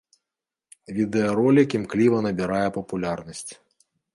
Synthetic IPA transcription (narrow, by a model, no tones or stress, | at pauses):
vʲid̪ɛɐɾɔlʲikʲimklʲivɐnɐbʲiɾajɛpɐpulʲarnɐsʲt͡sʲ